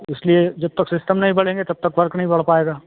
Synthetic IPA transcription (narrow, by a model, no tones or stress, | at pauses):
ɪslied͡ʒɐb̚t̪ɐksɪsʈəmnɐɦĩbɐɽẽːŋɡet̪ɐb̚t̪ɐkʋɐɾknɐɦĩbɐɽ̤paːeːɡaː